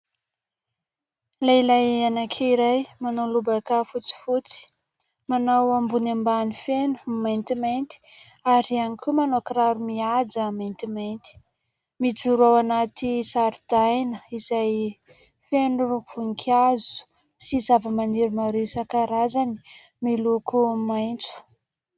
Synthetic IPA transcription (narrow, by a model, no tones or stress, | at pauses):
lajlajanakʰeiɾajmanawlubakafut͡si̥fut͡si̥ | manawambunambanifenu̥ment̪iment̪i̥ | aɾianikʰʲumanokɾaɾumiad͡zament̪iment̪i̥ | mit͡suɾuawanat̪isaɾid̪ajnəizaj | fenuruv̥uŋkʲʰazu̥ | sizavəmaniɾumaɾewsakaɾazani̥ | milukumajnt͡su̥